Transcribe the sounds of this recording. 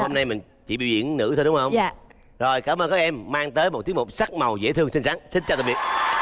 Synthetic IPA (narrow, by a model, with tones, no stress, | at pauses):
ho˧mna˧jmï˨˩ŋ̟ | t͡ɕḭ˧˩ɓḭ˧˨wzḭ˧˨ənnɨ̰˧˥t̪ʰo˧ɗʊ˨˦ŋ͡mhə˧w | zo˨˩jkaː˧˦mʔəː˧nkaː˦˥k̚ɛ˧mːaː˧ŋt̪əː˨˦jmo˨˩t̪̚i˨˦əŋmo˨˩p̚sa˦˥k̚ma˨˩wzḛ˧˥t̪ʰɨ˧əŋsi˧n̟saː˨˦˥ŋsï˧n̟t͡ɕɔ˧t̪a˨˩ɓi˨˩ət̚